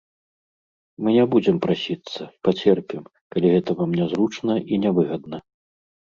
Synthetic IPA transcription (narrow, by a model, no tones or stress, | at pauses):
mɨnʲɛbud͡zʲɛmpɾasʲit̪sːɐpat͡sʲɛrpʲim | kalʲiɣɛt̪ɐvɐmnʲɛzɾut͡ʂnɐʔinʲɛvɨɣɐd̪nɐ